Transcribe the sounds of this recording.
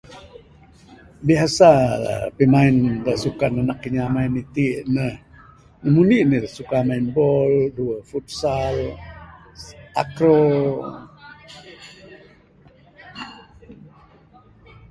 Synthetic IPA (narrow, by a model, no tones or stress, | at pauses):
biɦasa̰pimaɪndaʔsukananakːəɲamaɪnit̪iʔnəh | nəmuniʔnidaʔsukamaɪnbɔlduəfut̪̚sal | a̰kɾo